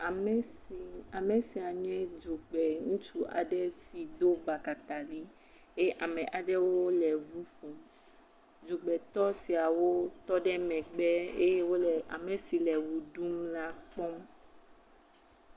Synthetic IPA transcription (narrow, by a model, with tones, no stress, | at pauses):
a˨mɛ˦si˨a˨mɛ̃˨si˨a˨ɲɛ̃˦d͡ʒu˨ɡ͡bɛ˨ŋũ˦t͡ʃu˦ʔa̰˨ɖɛ˦si˨d̪o˦ba˨ka˨t̪a˨li˦ | e˦ʔa˨mɛ̃˨ʔa˨ɖɛ˦woo˦lɛ˨vu˦ɸo˨m | d͡ʒo˨ɡ͡bɛ˨t̪ɔ˦si˨a˨wo˦t̪ɔ˦ɖɛ˦mɛ̃˨ɡ͡bɛ˦e˦je˦wo˦lɛ˨ʔa̰˨mɛ˨si˨lɛ˨wu˨ɖu˦mla˦k͡pɔ˦m